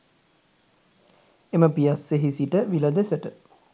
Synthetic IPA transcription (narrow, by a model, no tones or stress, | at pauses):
eməpijasːeɦisiʈəʋiləd̪esəʈə